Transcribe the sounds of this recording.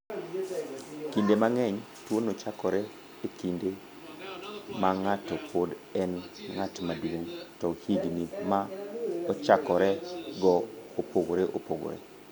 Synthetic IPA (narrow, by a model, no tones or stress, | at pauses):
kindemaŋɛɲ | twonot͡ʃakɔɾɛ | ekinde | maŋatɔpʰod | ɛnŋatmadwoŋtɔhiɡnimaɔt͡ʃakɔɾɛɡɔopoɡoɾeʔo̰poɡo̰ɾɛ̰